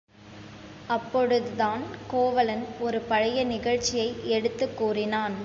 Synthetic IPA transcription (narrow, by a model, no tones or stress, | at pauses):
ɐpːɔɽɯðɯðaːnkoːʋɐlɐnɔɾɯpɐɻɐjɐnɪɣɐɻt͡ʃɪjɐɪɛɽɯt̪ːɯkːuːrɪnaːn